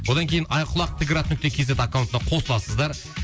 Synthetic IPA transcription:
wo̞d̪ɑŋkʲejɪnɑjqʰʊlˠɑq̚t̪ʰɪkʲɪɾɑt̪ənʏk̚ʲt̪ekʲʰe̞ze̞t̪akawnt̪ənɑqʰo̞səlˠɑsəzd̪ɑɾ

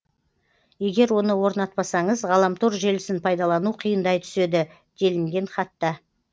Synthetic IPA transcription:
je̞ɡʲe̞ɾwo̞nəwo̞ɾnɑt̪̚pɑsɑɴəzʁɑlˠɑmt̪ʰoɾʒelɪsɪnpʰɑjd̪ɑlˠɑnuqʰijənd̪ɑjt̪ʰʏ̥se̞d̪ɪ | d̪̥e̞lɪŋɡʲe̞ɴχɑt̪ːɑ

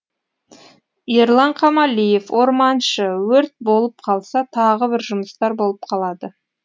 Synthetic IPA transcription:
jeɾlˠɑɴqʰɑmɑlʲije̞fwʔo̞ɾmɑnʃəwɵɾt̪̚bo̞lˠəp̚qʰɑlˠsɑt̪ʰɑʁəbɪɾʒʊməst̪ɑɾbo̞lˠəp̚qʰɑlˠɑd̪ə

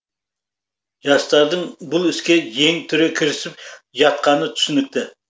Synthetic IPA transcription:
ʒɑst̪ɑɾd̪əɴbʊlˠɪskʲeje̞ŋt̪ʰʏɾekʲʰɪɾɪsɪpʒɑt̪̚qʰɑnət̪ʰʏ̥sɪnɪk̚t̪ɪ

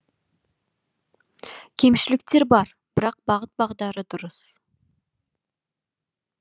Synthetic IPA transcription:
kʲʰe̞mʃɪlɪkt̪e̞ɾbɑɾ | b̥ɪɾɑq̚bɑʁət̪̚bɑʁd̪ɑɾəd̪ʊɾəs

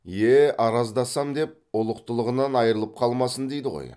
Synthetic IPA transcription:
jeʔɑɾɑzd̪ɑsɑmd̪e̞p̚ʊlˠəq̚t̪əlˠəʁənɑnɑjəɾəlˠəp̚qʰɑlˠmɑsənd̪e̞jd̪ɪʁo̰j

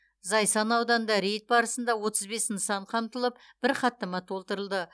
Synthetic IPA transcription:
zɑjsɑnɑwd̪ɑnd̪ɑɾe̞jt̪̚bɑɾəsənd̪ɑwo̞t̪əzbe̞snəsɑɴqʰɑmt̪əlˠəp̚ | b̥ɪɾqʰɑt̪ːəmɑt̪ʰo̞lˠt̪əɾəlˠd̪ə

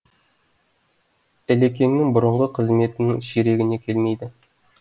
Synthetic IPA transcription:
ælek̬ʲe̞ŋnɪŋbʊɾəɴʁəqʰəzme̞t̪ɪnɪŋʃeɾe̞ɡʲɪne̞kʲʰe̞lme̞jd̪ɪ

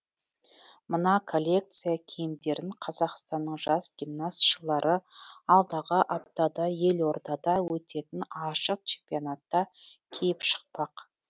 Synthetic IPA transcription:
mənɑkʰo̞lʲːe̞k̚t̪sɨjakʲʰejɪmd̪e̞ɾɪŋqʰɑzɑqst̪ɑnːəɴʒɑsɡʲimnasʃəlˠɑɾʔəɑlˠd̪ɑʁəʔap̚t̪ɑd̪ɑje̞lwo̞ɾd̪ɑd̪ɑwɵt̪e̞t̪ɪnɑʃəq̚t͡ʃʰe̞mpijonat̪ːɑkʲʰejɪpʃə̥q̚pɑq

